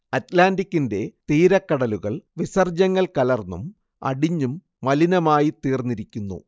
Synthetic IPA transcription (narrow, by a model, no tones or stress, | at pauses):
ɐtlaːndikʲːinde̞t̪iːɾɐkːɐɽɐluɣɐɭʋisɐrd͡ʑɐŋːɐɭkɐlɐrnːum | ɐ̰ɽiɲːumː | ɐlinɐmaːjit̪iːrnːiɾikʲːunːṵ